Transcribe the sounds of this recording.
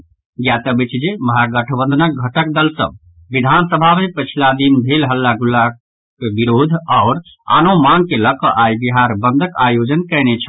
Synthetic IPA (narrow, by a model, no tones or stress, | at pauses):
ɡjat̪əbit͡ʃd͡ʒeməɦaɡəʈʰəbə̃nd̪ʱənək̚ɡʱəʈək̚d̪əlsə̰̃b | ʋid̪ʱansəbʱamepət͡ʃʰilad̪inbʱelɦəlːaɡulːa | kebiɾod̪ʱaʊɾ | a̰nomaŋɡ̚keləkəʔajbiɦaɾbənd̪ʱəkajod͡ʒənkənet͡ʃʰə̥